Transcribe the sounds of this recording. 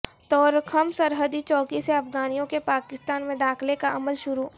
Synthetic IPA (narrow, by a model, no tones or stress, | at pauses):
t̪ɔːɾkʰɐmsɐɾɦəd̪it͡ʃɔːkiseɐfɡaːnijõkepaːkɪst̪aːnmẽd̪aːkʰlekaʔɐməlʃʊɾuː